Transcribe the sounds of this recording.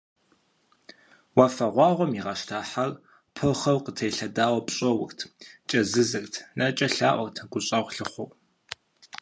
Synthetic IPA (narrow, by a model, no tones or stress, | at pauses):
wɑfɐʁʷɑːʁʷɔmiʁɐʃtʰaːħar | pʰɨχɐwqətʰɐjɬɐdaːwɐpɕʼɐwʊ̰xtʰt͡ʃʼɐzɨzɨrtʰnʔɐt͡ʃʼɐɬaːʔʷɔrtʰɡʷʊɕʼɐʁʷɬɨχʷʊw